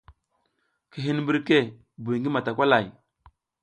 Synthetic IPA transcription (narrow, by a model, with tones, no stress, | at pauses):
ki˨ɦi˦n˦mbi˦ɾke˦ | bu˨jŋɡi˦ma˨ta˨kʷa˦la˨j